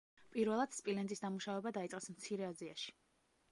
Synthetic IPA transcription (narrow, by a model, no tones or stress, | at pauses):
pʼiɾvɛlˠad̪̥spʼilɛnd̪ʼisd̪amuʃavɛbad̪ait̪sʼqʼɛsmt̪sʰiɾɛazia̰ʃi̥